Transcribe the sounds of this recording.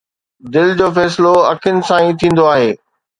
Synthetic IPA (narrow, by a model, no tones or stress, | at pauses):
d̪ɪld͡ʑoːfɛːsloɐkʰɪnɪ̆sãːĩt̪ʰĩːn̆d̪oaːɦeː